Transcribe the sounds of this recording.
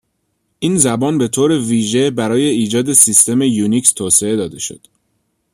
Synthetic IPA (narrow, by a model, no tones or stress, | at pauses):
ʔiːnzæbɒːnbe̞t̪ʰoːɾe̞viːʒe̞bæɾɒːje̞iːd͡ʒɒːd̪e̞sist̪ʰe̞mejunikst̪ʰoːsee̞d̪ɒːd̪e̞ʃo̞̰d̪̥